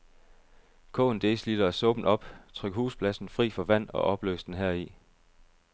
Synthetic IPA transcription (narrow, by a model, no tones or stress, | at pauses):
kʰɔ̰̽ːnd̥e̝ːslid̥ɐæsɔ̽ːb̥n̩ɒ̽b̥t͡sʰʁœɡ̥huːspʰlæsn̩fʁḭːfɒ̽ʋæn̰ɒ̽ʔɒ̽b̥lø̰ːsd̥enɦæɐ̰i